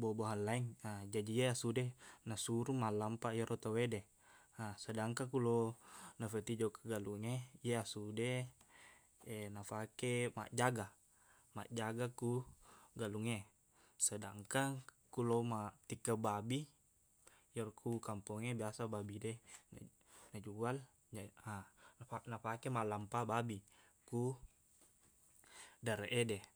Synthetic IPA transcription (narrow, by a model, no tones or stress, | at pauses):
boboɦanlaiŋad͡ʒadijeasudenasuɾumalampajɔɾʔɔt̪awedɛ | asədaŋkakulonafət̪id͡ʒɔkḁɡaluŋejeasude | enafakema̰ʔd͡ʒaɡa | ma̰ʔd͡ʒaɡakuɡaluŋe | sədaŋkaŋ | kuloumat̪ikːəbabi | jɔrkʰukampɔŋebiasababidɛn̰ | nad͡ʒual | aaanafakemalampababi | ku | daɾeʔedɛ